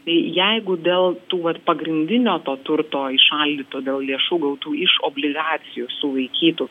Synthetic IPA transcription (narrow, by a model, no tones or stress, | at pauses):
t̪ɐɪjɛɪɡʊd̪ʲeːlˠt̪uːʋɐt̪pɐɡɾʲɪnʲd̪ʲɪnʲoːt̪oːt̪ʊɾt̪oːɪʃɐlʲd̪ʲiːt̪oːd̪ʲeːlˠlʲeɛʃuːɡɐʊt̪uːɪʃoːbʲlʲɪɡɑːt͡sʲɪjuːsʊʋɐɪkʲiːt̪u